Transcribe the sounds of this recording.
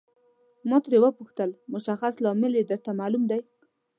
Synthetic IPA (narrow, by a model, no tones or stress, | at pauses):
mɑt̪ɾewəpuxt̪əlmʊʃaxaslɑmɪled̪əɾt̪amalumd̪aj